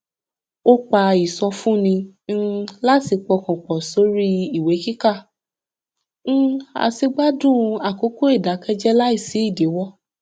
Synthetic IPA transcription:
o˦k͡pa˧i˨sɔ̃˧fũ˦nĩ˧n̩˦˧la˦ti˧k͡pɔ˧kɔ̃˨k͡pɔ˨so˨˦ɾi˦i˦˨we˨˦ki˦ka˦˨ | ñ̩˦a̰˨si˧ɡ͡ba˦dũ˦˨˧a˨ko˨˦ko˦i˦˨da˨˦kɛ˦d͡ʒɛ˦la˦i˦˨si˨˦i˦˨de˨˦wɔ˦˨

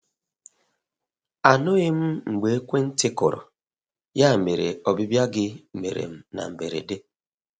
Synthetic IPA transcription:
a˨nʊ˦ɣɪ˦m̩˦ŋ͡m̩˨ɡ͡be˨e˦kʷe˦n̩˦tɪ˦kʊ˨ɾɔ̰˨ | ja˦˨me˨ɾḛ˨ɔ˨bi˦bja˦ɡɪ˦˨mḛ˨ɾḛ˨m̩˦na̰˨m̩˨be˨ɾḛ˨de˦

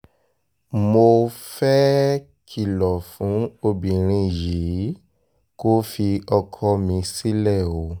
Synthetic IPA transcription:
mo˧fɛ˦ | kʰi˨lɔ˨fũ˨˦o˧bĩ˨ɾ̃ĩ˧ji˨˦ | ko˦fi˧ɔ˧kʰɔ˧mĩ˧si˦lɛ˦˨o˨˦

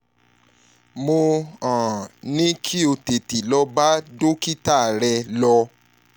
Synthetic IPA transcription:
mo˧ã˨nĩ˦kʰi˦o˧te˨ti˨lɔ˦ba˦do˦ki˦ta˦˨ɾɛ˧lɔ˧

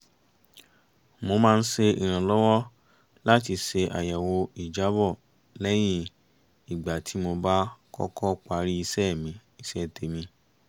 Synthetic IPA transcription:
mo˧mãː˦˧n̩˦se˧ḭ˨ɾ̃ã˨lɔ˦wɔ˦ | la˦t̬i˧ʃe˧ʔa̰˨ja˨wo˧i˨d͡ʒa˨˦bɔ˦˨ | lɛ˦j̃ĩ˦ | i˨ɡ͡ba˨tʰi˨˦mo˧ba˦kɔ̰˦kɔ˦k͡pa˧ɾi˦i˧sɛ˦mĩ˧i˦˧sɛ˦˨te˨˦mĩ˧

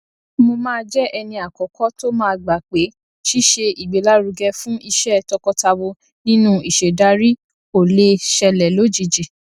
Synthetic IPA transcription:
mo˧mãː˦d͡ʒɛ˦ʔɛ˧nĩ˧a˨kɔ˨˦kɔ˦to˦mãː˦˧ɡ͡ba˨k͡pe˨˦ | ʃi˦ʃe˧i˨ɡ͡be˨la˦ɾu˧ɡɛ˧fũ˦ʔi˧ʃɛ˦˨tɔ˧kɔ˧ta˧wo˧ | nĩ˦nũ˦i˨ʃe˨da˦ɾi˦ | o˨le˧ʃɛ˧lɛ˨lo˨˦d͡ʒi˨˧d͡ʒi˨

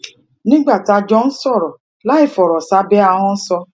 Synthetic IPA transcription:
nɪ˦ɡ͡ba˨ta˨d͡ʒɔ˦n̩˦sɔ˦˨ɾɔ˨ | la˦ɪ˨fɔ˨ɾɔ˨sa˦be˦a˦ɦʊ˦n̩˦sɔ˦

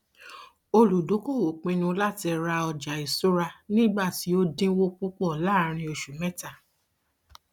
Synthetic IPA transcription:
o˧lu˨do˨˦ko˦˨wo˨k͡pĩ˧nũ˧˦la˦˨ti˧ɾa˧ɔ˧d͡ʒa˨i˨so˦ɾa˧nĩ˦ɡ͡ba˦˨ti˨˦o˦dĩ˦wo˦k͡pu˦k͡pɔ˦˨la˦ɾ̃ĩ˧o˧ʃu˨mɛ̃˦ta˦˨

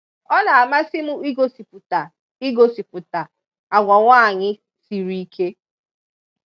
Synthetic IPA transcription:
ɔ˦na˨a˨ma˦sɪ˦mʊ˦i˦ɡo˦si˨pʊ˨ta˨ | i˦ɡo˨si˨pʊ˨ta˨ | a˨ɡʷa˨ŋʷa˦a˨ɲɪ˦ | si˨ɾi˦i˦kʰe˦

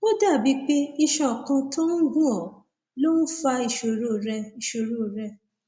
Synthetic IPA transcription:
o˦da˦˨bi˨˦k͡pe˦i˧ʃɔ̃˨kã˧tɔ̃˦n̩˦ɡũ˦ɔ˦˨ | lo˦n̩˦fa˧i˧˨ʃo˨ɾo˦˨ɾɛ˧i˨ʃo˨ɾo˦˨ɾɛ˧

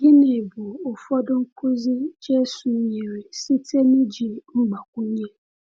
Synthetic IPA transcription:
ɡɪ˦ne˨bu˨o˨fɔ˦dʊ˦ŋ̩˦kʰo˦zi˦d͡ʒe˦su˨˦ɲe˨ɾe˨si˦te˦nʊ˦d͡ʒi˨ŋ͡m̩˦ɡ͡ba˨kʷu˦ɲe˦

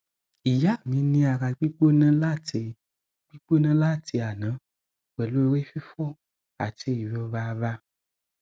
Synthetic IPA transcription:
i˨ja˨˦˨mĩ˨˧˦nĩ˧a˧ɾa˧ɡ͡bi˦k͡po˦nã˦la˦˨te˧ | ɡ͡bi˦k͡po˦nã˦la˦˨ti˧a˨nã˨˦ | wɛ˨lo˨˦˧ɾe˦fi˦fɔ˦˨ | a̰˨ti˧˦i˨wi˨˦ɔ˧va˧va˧

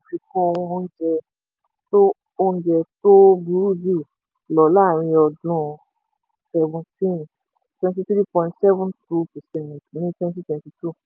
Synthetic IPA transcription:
fi˧kũ˦˧wũ˧˦n̩˦d͡ʒɛ˧ | to˦ | o˧ñ̩˦d͡ʒɛ˧to˦bu˨˦u˦di˦˨ | lɔ˨la˦˨ɾ̃ĩ˧ɔ˧dũ˧ | sɛ˦vɔ̃˧ntĩ˦˨ | twɛ̃˧nti˧tɾi˦pɔ̃˧ĩ˧ntsɛ˦vɔ̃˦ntɾu˦pɛ˨sɛ̃˦˨ntnĩ˨˦twɛ̃˧n˦ti˦twɛ̃˧nti˧tu˦˨

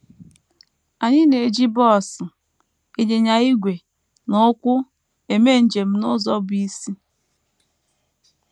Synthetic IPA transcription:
a˨ɲɪ˦ne˨d͡ʒi˦bɔ˦˨sɪ˨ | i˦˨ɲe˨ɲa˨i˦ɡʷe˨ | nʊ˦kʷʊ˦ | e˨me˦˨n̩˨d͡ʒe˨m̩˦nʊ˦zɔ˦bi˦si˦

